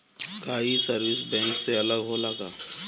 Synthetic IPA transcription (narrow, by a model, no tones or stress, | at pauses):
kaːisəɾwɪsbɛ̃ːŋkseɐləɡɦolaːɡaː